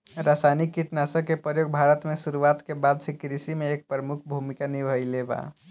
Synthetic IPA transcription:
ɾasanikːiʈnasə̃kepɾəjoɡ̚bʱaɾət̪mesuɾuat̪kebad̪sĩkɾisimẽːk̚pɾəmukʰbʱumikanibʱəjleba̰

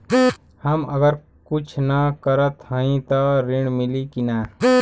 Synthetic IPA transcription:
həməɡəɾ | kʊt͡ʃʰnəkəɾət̪hə̃ĩt̪aɾɪɳmɪlikinaː

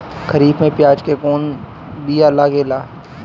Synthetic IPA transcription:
kəɾiːbmẽpjaːd͡ʒkekoːn | bʱialːakeːlaː

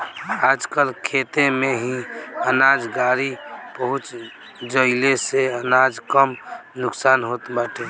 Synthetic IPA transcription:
ad͡ʒkəlkʰet̪emeɦĩənad͡ʒɡaɾipəɦut͡ʃ | d͡ʒəɪleseənad͡ʒkəmnʊksaːnɦot̪baʈe

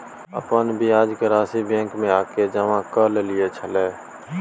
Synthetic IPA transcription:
ə̰pənbʱiaːd͡ʒkeɾaːsibjẽːŋkmẽaːked͡ʒəʋãkəllɪet͡ʃʰəleː

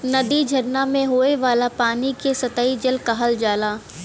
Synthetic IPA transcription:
nɐd̪id͡ʒʱɐɾnamẽɦoːeʋaːlapaːnikesɐt̪aːid͡ʒɐlkaɦəld͡ʒaːlaː

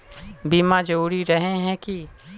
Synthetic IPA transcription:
biːmãd͡ʒuːɾiɾɐɦeɦɛ̃ki

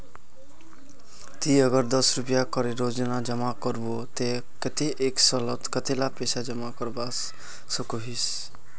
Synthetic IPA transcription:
t̪iʌɡʌɾd̪ʌsɾupjakʌɾeɾod͡ʒnad͡ʒʌmakʌɾbot̪e | kʌt̪iʔeksʌlʌt̪kʌt̪elapesad͡ʒʌmakʌɾbas | sʌkuɦis

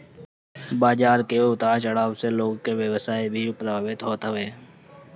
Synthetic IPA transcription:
baːd͡ʒaːɾkeʊt̪aːt͡ʃəɽaːʋseloːɡkeʋjəʋsaːibʱiʊpɾaːʋɪt̪ɦoːt̪ʋeː

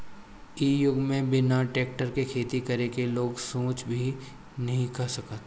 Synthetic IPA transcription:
iːjʊɡmẽbɪnaʈeːk̚ʈəɾkekʰeːt̪ikɐɾekeloːɡsõːt͡ʃbʱi | nɐɦĩkɐsɐkət̪

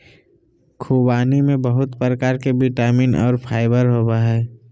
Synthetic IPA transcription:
kʰubaːnimẽbəɦʊt̪pɾəkaːɾkebiʈaːmiːnʔɔ̰ːɾpʰaːɪbəɾɦoːbaɦɛː

